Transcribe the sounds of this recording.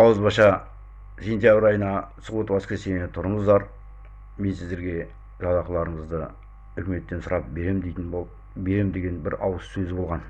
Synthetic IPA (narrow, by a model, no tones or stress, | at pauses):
ɑwəzbɑʃɑ | sʲe̞nt̪ʲjabɾɑjənɑsʊʁut̪wɑskʲesenet̪ʰʊɾəɴəzd̪ɑɾ | me̞nsɪzd̪e̞ɾɡʲe̞ | ʒɑd̪ɑqəlˠɑɾəɴəzd̪ə | ʏkʲɪme̞t̪ːensʊɾʔɑp̚beɾemd̪et̪ɪn | be̞ɾemnd̪e̞ɡʲe̞nbɪɾɑwəsːɵzɪbo̞lˠʁɑn